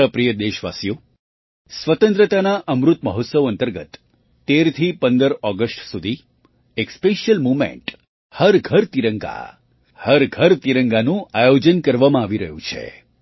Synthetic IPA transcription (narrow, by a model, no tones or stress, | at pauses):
əpɾijəd̪eʃʋa̰sjo | sʋət̪ə̃nt̪ɾət̪anaʔəmɾut̪məɦot̪səʋənt̪əɾɡə̰t̪ː | eɾt̪ʰipənd̪əɾɔɡəsʈsud̪ʱi | ekspeʃjəlmumḛ̃ɳʈ | həɾɡʱəɾt̪iɾəŋɡa̰ | həɾɡʱəɾt̪iɾəŋɡanũajod͡ʒənkəɾʋamãaʋiɾəɦjũt͡ʃʰḛ